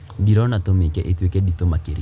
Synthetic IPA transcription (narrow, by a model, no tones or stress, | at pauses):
diɾɔnat̪omekɛʔet̪wekedit̪omakeɾe